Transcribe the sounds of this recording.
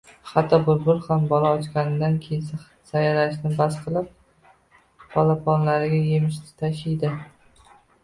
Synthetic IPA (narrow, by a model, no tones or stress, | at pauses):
hat̪ʰːɒbʊɾbʊɾˠhambɒlˠaɒt͡ʃkʲanɪd̪ankʲʰejɪns | sajalaʃnɪbasqʰɨlˠɪp̚ | pʰɒlapʰɒnlaɾɪɡʲaje̞mɪʃ̬t̪ɪ̥t̪ʰaʃijd̪ɪ